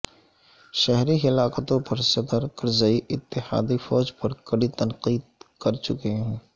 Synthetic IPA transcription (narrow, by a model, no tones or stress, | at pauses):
ʃɛɦɾiɦɪlaːkət̪õpɐɾsɐt̪əɾkɐɾzəiʔɪt̪ːɪha̰ːd̪ifɔːd͡ʒpɐɾkɐɽit̪ɐnqiːd̪̚kɐɾt͡ʃʊkeɦɛ̃ː